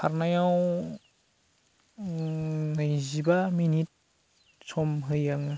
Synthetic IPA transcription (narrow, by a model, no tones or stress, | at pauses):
pʰaɾnajaw | nɯjzibaminit̚ | sɔmɦɯjaŋɯ